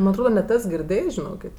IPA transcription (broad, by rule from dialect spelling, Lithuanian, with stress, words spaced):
ˈmɐnʲ ɐtˈroːdɐ nʲɛt ˈɛs ɡʲɪrʲˈdʲeːjs ʒʲɪˈnoːkʲeːtʲ